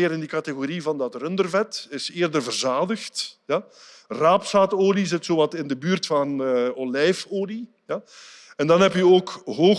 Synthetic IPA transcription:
ɪːɾɪndikɑteɣoɾivɑndɑtrɵndərvɛtɪsɪːrdərvərzaːdəxtjaraːpsaːtoːlizɪtsoːwɑtɪndəbyːrtfɑnnəɔlɛjfoːli | ja | ɛndɑnɦɛpjəoːkɦoː

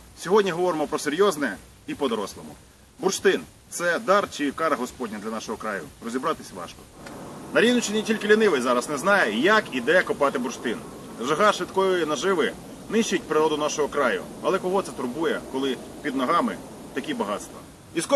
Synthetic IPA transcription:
sʲɔɦɔdʲnʲiɦɔʋɔɾɪmɔpɾɔseɾʲjɔznɛ | ipɔd̪ɔɾɔslˠɔmʊ̰ | bʊrʃt̪ɪn | t̪sɛd̪ɑrt͡ʃikɑɾɐɦɔspɔdʲnʲɐd̪lʲɐnɑʃɔɦɔkɾɑjʊ̰rɔzʲibɾɑt̪ɪsʲʋɑ̰ʃkɔ̥nɐɾʲinʊt͡ʃɪnʲitʲilʲkɪlʲinɪʋɪjzɑɾɐsnɛznɑjɛjɐkid̪ɛkʊpɑt̪ɪbʊrʃt̪ɪn | ʒɐɦɑʃʋɪt̪kɔjʊjinɐʒɪʋɪ | nɪʃt͡ʃʊjt̚ʲpɾɪɾɔd̪ʊnɑʃɔɦɔkɾɑjʊ̰ | ɐlˠɛkɔɦɔt̪sɛt̪ʊɾbujɛkɔlˠɪ | pʲid̪nɔɦɑmɪ̰ | t̪ɐkʲibɐɦɑt̪st̪ʋɐ̰ | iskɔ

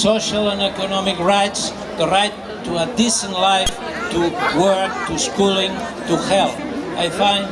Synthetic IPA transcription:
soʃalˠə̃nɛkɔnɔmikɹajts | ðəɹajt̪ːuəd̪isə̃ntlajf | t̪ʰuwɜ˞k̚t̪uskulˠĩŋ | t̪uhɛlˠθajfãɪ̃n

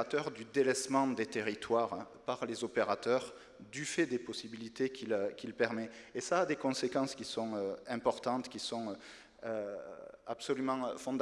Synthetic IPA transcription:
at̪œʁd̪yd̪elɛsmɑ̃d̪et̪eʁit̪ʰwaʁpaʁlezɔpeʁat̪œʁ | d̪yfɛd̪epɔsibilit̪ekʲʰilkʲilpɛʁmɛːsaːd̪ekɔ̃sekɑ̃skʲisɔ̃øɛ̃pɔʁt̪ɑ̃t̪kʲisɔ̃ø | ø | absolymɑ̃øfɔ̃d̪

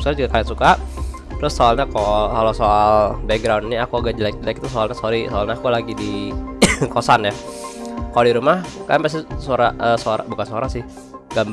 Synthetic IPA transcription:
soɾid͡ʒuɡakajasuka | t̪ɾʊsːoalɲakokalosoalbɛk̚ɡɾawndniakuaɡaʔd͡ʒəlak̚d͡ʒəlak̚t̪us̬oalɲasoɾisoalɲaakulaɡidi | kosanja | kalodiɾumahka̰npas̬isoɾaʔəːsoaɾa̰bukansoaɾasɪh | ɡam

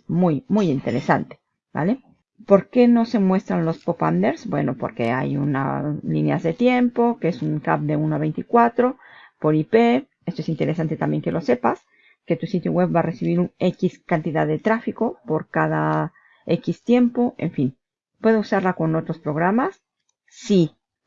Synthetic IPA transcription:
mujmujint̪e̞ɾesa̰nt̪e̥ | ba̰le | po̞ɾke̞no̞se̞mwe̞st̪ɾanlo̞spo̞pand̪eɾsbwe̞̰no̞po̞̰ɾke̞̰a̰juna̰linja̰zðe̞t̪je̞mpo̞keesuŋkap̚d̪e̞unoaβe̞jnt̪ikwat̪ɾo̞ | po̞ɾipe̞ | e̞st̪oe̞sint̪e̞ɾe̞sant̪e̞t̪ambje̞ŋke̞lo̞se̞pas | ke̞t̪usit̪joɣwe̞b̚bare̞siβ̞iɾune̞kiskant̪iðaðe̞t̪ɾafiko̞po̞ɾkaða | e̞kist̪je̞mpo̞e̞̰ɱfin | pwe̞ðousaɾlako̞no̞t̪ɾo̞spɾo̞ɣɾamasː | i

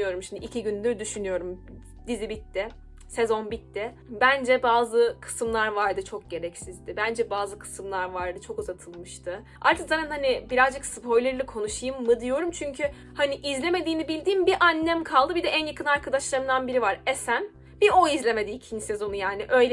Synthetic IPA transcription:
jo̞ɾumʃimd̪iːcʰiɟynlʲyɾd̪yʃynyjo̞ɾum | d̪izibit̪ːɪ | se̞zo̞nbit̪ːɪ | bænd͡ʒɛbaːzɯkʰɯ̥sɯmlˠaɾvaɾd̪ɯt͡ʃʰo̞k̚ɟe̞ɾɛcsizd̪ɪbænd͡ʒɛbaːzɯkʰɯ̥sɯmlˠaɾvaɾd̪ɯt͡ʃʰo̞kuzat̪ʰɯlˠmɯʃt̪ʰɯ | a̰ɾt̪ʰɯkzaːt̪ʰænhanibiɾazd͡ʒɯksɯpʰo̞jlʲeɾɯlʲɛkʰo̞nuʃɯjɯmːɯd̪ijo̞ɾumt͡ʃʰyɲcʰy | haniʔizlʲe̞me̞d̪iːnibilʲd̪iːmbiʔanːæmkʰalˠd̪ɯbid̪ɛʔænjakʰɯnaɾkʰad̪aʃlˠaɾɯmd̪anbiɾivaɾesæn | bioizlʲe̞me̞d̪iːcʰinse̞zo̞nujaːniʔø̞jlʲ

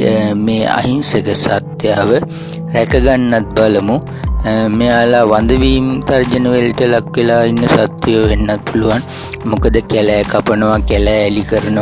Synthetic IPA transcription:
meːa̰ɦinsekəsat̪ːjaːʋə | ɾækəɡanːat̪̚baləmu | meaːlaːʋand̪əʋiːmt̪ard͡ʒənəʋelʈəlakʋelaːinːəsat̪ːjeʋəʋenːat̪̚pʰuluʋan | mukəd̪əkælæjkapənəʋakælɛjːlikəɾənə

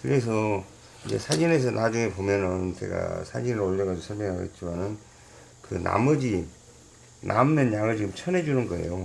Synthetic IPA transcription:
kɯɾe̞s̬ʰʌ | id͡ʑe̞̰sʰad͡ʑine̞sʰʌnad͡ʑuŋe̞pomjʌnɯnt͡ɕe̞̰ɡa̰sʰad͡ʑinɯɾoɭːʌɡad͡ʑosʰʌɭmjʌŋɦaɡo̰et̚t͡ɕ͈imanɯn | kɯna̰mʌd͡ʑi | nʔa̰mnɯnjaŋɯɭt͡ɕiɡɯmt͡ɕʰʌne̞d͡ʑunɯnɡʌe̞̰jo

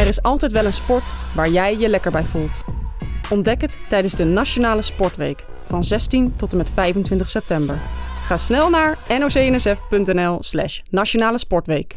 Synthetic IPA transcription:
ɛrɪsɑlˠtɛjtʋɛlənspɔɹtʋaːɹjɛjjəlɛkəɹbɛjvulˠt | ɔndɛkətːɛjdənzdənaʃonaːləspɔɹtʋḛjk | fɑnzɛstintɔtəmɛtfɛjfəntʋɪntəχsɛp̚tɛmbəɹχaːsnɛlˠnaːɹɛnowsejɛnɛsɛfpɵntɛnɛlˠslɛ̰ʃnaʃonaːləspɔɹtʋejk

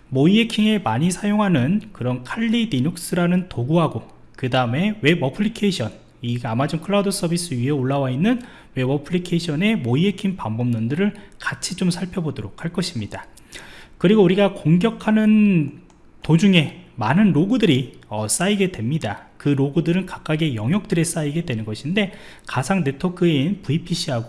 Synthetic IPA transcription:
moiekʰiŋemaɲisʰajoŋɦanɯnkɯɾʌnkʰaʎːidiɲok̚s͈ɯɾanɯntoɡuɦaɡo | kɯdaɯme̞we̞bʌpʰɯɭːikʰe̞iɕʰʌn | iamad͡ʑoŋkʰɯɭaudɯs͈ʰʌbis͈ʰɯɥiɦe̞oɭːawainːɯn | we̞bʌpʰɯɭikʰeiɕʰʌne̞moiekʰiŋpambomnondɯɾɯɭkat͡ɕʰit͡ɕomsʰaɭpʰjʌbodoɾok̚ʰhaɭk͈ʌɕʰimɲida | kɯɾiɡouɾiɡakoŋɡjʌkʰanɯn | tod͡ʑuŋe̞manɯnɾoɡudɯɾiʌs͈aiɡe̞dwe̞mɲidakɯɾoɡudɯɾɯnkak̚k͈aɡejʌŋɦjʌk̚t͈ɯɾe̞s͈aiɡe̞dwe̞nɯnɡʌɕʰinde̞ | kasʰaŋne̞tʰokʰɯenpuipʰiɕʰiɦaɡo

